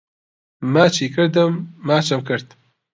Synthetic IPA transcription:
mat͡ʃʰiːkʰɨɾd̪ɨmːaːt͡ʃʰɨmkɨɾt̪

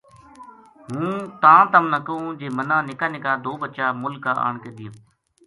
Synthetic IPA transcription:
ɦũːt̪ãːt̪əmnəkəõːd͡ʒeːmənãːnɪkaːnɪkaːd̪oːbət͡ʃaːmʊlkːaːʔa̰ːɳkeːd̪iːə̃

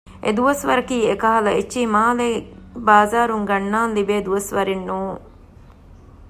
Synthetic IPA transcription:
ʔḛd̪uʋɐsʋɐɾɐkiːekɐɦɐlɐet͡ʃːiːmaːlebaːzaːɾuŋɡɐnːaːnlibeːd̪uʋɐsʋɐɾinːuːŋ

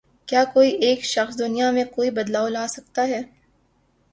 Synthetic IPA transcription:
kjaːkoːiʔeːkʃɐxsd̪ʊnijamẽkoːibɐd̪laːolaːsɐk̚t̪aɦɛː

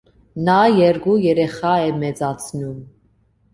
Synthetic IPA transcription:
nɑjɛɾɡujɛɾɛχɑɛmɛt͡sɑt͡sʰnum

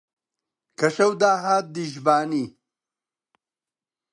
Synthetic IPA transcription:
kʰɐɕɐwd̪aːɦaːt̪̚d̪iʒbaːniː

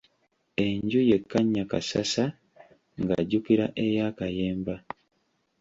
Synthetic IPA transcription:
e̞ɲɟuje̞kːaɲːakasasa | ŋɡaɟukiɾaʔe̞jaːkaje̞ːmba

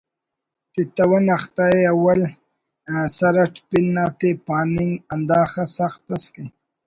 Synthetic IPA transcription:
t̪it̪ɐwɐnɐxt̪aeawɐl | ãsɐɾɐʈpinːaːt̪epaːniŋɡɐnd̪aːxasaxt̪ɐski

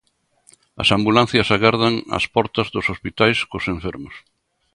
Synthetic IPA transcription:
ɐ̰sambulan̟θjɐsaɣaɾðaŋɐ̰spɔɾt̪ɐzðʊsospit̪ajskʊsẽɱfɛɾmʊs

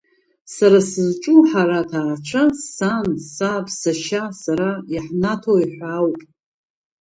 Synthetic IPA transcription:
saɾasɨzʈ͡ʂʼuħaɾatʰaːrʈ͡ʂʷʰasansapʰsaʃasaɾajaħnatʰojħʷawpʼ

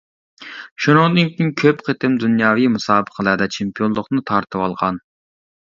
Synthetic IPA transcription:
ʃunɨŋd̪ɨnkʲiŋkʲʰøpqʰət̪ɪmd̪unjɑːvijmusɑːbəqʰəlˠəɾd̪ɛt͡ʃʰempijolˠʊqnɨt̪ʰɑɾt̪ʰɨwɑlˠʁɑn

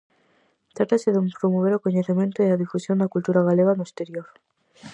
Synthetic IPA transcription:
t̪ɾat̪aseðumpɾomoβ̞eɾokoɲeθimjent̪oðelaðifusjo̞nd̪akult̪uɾaɣaleɣanoest̪eɾjoɾ

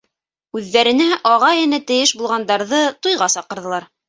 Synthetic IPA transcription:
ʉðːæɾɘ̆næʔɑʁɑjɘ̆næt̪ɘ̆jɘʃbulˠʁɑnd̪ɑɾðɤt̪ujʁɑsɑqɤ̆ɾðɤ̆lˠɑɾ

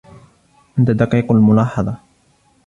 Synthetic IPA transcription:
ʔɪnt̪ad̪ɑqiːqalmʊlɑːħɑðˤɑ

